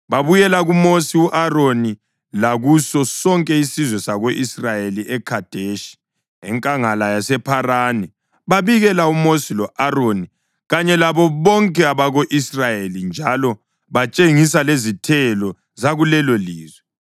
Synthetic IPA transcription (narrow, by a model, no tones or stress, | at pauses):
βaβujɛlaɣumosiuʔaroni | laɣusɔsɔŋkʼɛisizwɛsaɣoʔisrajeliʔɛkʰad̥ʱeʃi̥ | ɛŋkʼaŋalajasɛpʰarani | βaβiɣɛlaumosilɔʔaroni | ɣaɲɛlaβɔβɔŋkʼɛaβaɣoʔisrajelind͡ʒʱalɔ | βat͡ʃʼeŋisalezitʰɛlɔ | zaɣulɛloliːzwɛ